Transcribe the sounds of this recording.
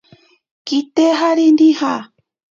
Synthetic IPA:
kit̪eɦaɾind̪iha

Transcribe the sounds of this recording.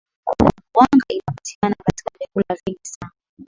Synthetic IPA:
ku | waŋɡaʔinapati̥kanakati̥kavɛkulaviŋɡisana

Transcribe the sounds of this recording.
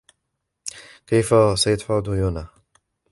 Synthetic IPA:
kajfasajat̪ħʊd̪jʊna

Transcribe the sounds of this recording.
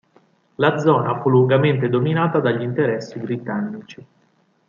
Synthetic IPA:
lad̪zɔːnafulːuŋɡament̪ed̪ominaːt̪ad̪aʎːint̪eɾɛsːibɾit̪anːit͡ʃi

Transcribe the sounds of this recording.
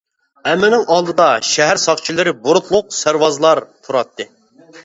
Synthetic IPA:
ɛmɪnɪŋʔɑlˠd̪ɨd̪ɑʃɛɦæɾsɑχt͡ʃʰilˠɨɾɪbuɾʊt̪ʰlˠʊq̚sæɾwɑzlˠɑɾt̪ʰuɾɑt̪ːɨ

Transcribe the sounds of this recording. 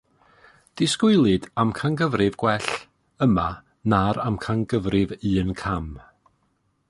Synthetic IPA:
d̥ɪskʊɨlˠɨdamkʰaŋɡəvrɨvɡ̥wɛɬ | əma | naɾamkʰaŋɡəvrɪvɨːnkʰam

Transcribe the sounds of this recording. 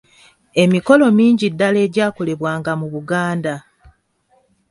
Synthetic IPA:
e̞miko̞lo̞miːɲɟidːale̞ːɟaːkole̞βwaːŋɡamuβuɡaːnda

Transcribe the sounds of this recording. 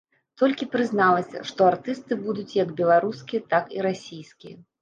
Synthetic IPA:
t̪ɔlʲkʲipɾɨznalˠɐsʲɐ̰ʂt̪ɔart̪ɨst̪ɨbud̪ut͡sʲjɐɡbʲɛlˠaɾuskʲijɐt̪akiɾasʲijskʲijɐ̰

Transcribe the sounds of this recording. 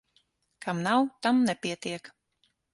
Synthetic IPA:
kamnawt̪amnɛpʲiɛt̪iɛk

